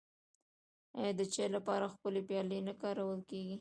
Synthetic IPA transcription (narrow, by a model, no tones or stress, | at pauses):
a̰jd̪ət͡ʃelapɑɾaxpəlepjɑlenakɑɾawəlkeɡi